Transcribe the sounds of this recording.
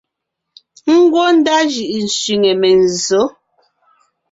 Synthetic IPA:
ŋ̩˦ɡwo˦n̩˦da˦ʒi˨ʔi˨n̩˨sɥi˨ŋɛ˨mɛ˨n̩˨zo˨˦

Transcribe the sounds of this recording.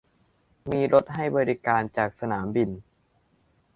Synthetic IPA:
miː˧ɾo˦˥t̪̚ɦa˥˩jbɔː˧ɾi˦˥kaː˧nt͡ɕaː˨˩k̚sa˧naː˩˦mbi˧n

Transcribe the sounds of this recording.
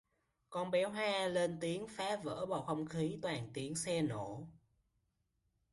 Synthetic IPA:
kɔ˧nɓɛ˨˦ɦwaː˧le˧nt̪i˨˦əŋfaː˨˦və̰ː˧˥ɓɔ˨˩xə˧wŋ͡mxi˨˦t̪waː˨˩nt̪i˨˦əŋsɛ˧no˧˩˨

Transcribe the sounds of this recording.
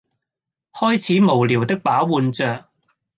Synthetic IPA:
hɔː˥jt͡sʰiː˨˥mo˨˩wliː˨˩wt̪ɪ˥k̚paː˨˥wwuː˧nt͡sœː˨k̚

